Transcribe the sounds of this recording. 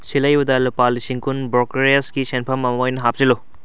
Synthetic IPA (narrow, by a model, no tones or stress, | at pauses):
silɐjbudalupalisiŋkunbɾokeɾiɐskisenpʰɐmɐmɐojnɐɦap̚zilu